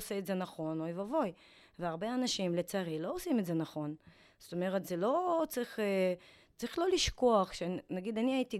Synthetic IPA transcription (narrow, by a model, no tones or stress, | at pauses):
seːtze̞naχo̞noivavo̞j | veaʁbe̞anaʃimlet͡saʁilo̞osimetze̞naχo̞n | z̥ot̪o̞me̞ʁetzelo̞t͡sʁiχe | t͡sʁiχlo̞liʃko̞aχʃenaɡid̪aniaiti